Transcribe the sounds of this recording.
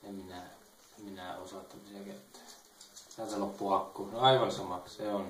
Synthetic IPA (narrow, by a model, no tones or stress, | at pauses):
emminæ | emminæosɑˑt̪ːɑmiseket̪ːæ̥ː | t̪æˑt̪ælopːuɑkːuːɑiʋɑnsɑmɑksseon